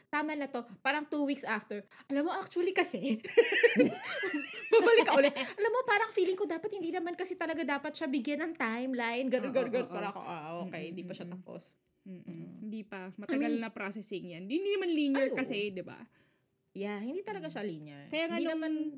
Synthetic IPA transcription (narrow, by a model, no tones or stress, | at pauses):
t̪aːmɐnɐt̪o̞paːɾɐŋt̪uːwiksʔaft̪ɛɹʔɐlamːoʔak̚t͡ʃʊɐlikɐsɛ | babɐlɪkːɐʔʔʊlɛt̪̚ʔɐlamːopaːɾɐŋfiːlɪŋkod̪aːpɐt̪hɪnd̪iːnɐmankɐsɛt̪ɐlɐɡad̪aːpɐt̪̚ʃabɪɡjanɐŋt̪ajmlajnɡɐɾɡɐɾɡɐɾspaɾɐko̰ʔaʔoːkɛjhɪnd̪iːpɐʃat̪ɐpo̰s | mːhɪnd̪ipɐmɐt̪ɐɡɐlnɐpɾosɛsɪŋjanhɪnd̪iːnɐmanliːnjɛkɐsɛd̪ɪba̰ | jahɪnd̪iːt̪ɐlɐɡaʃaliːnjɛɹkɐjaːŋainɐman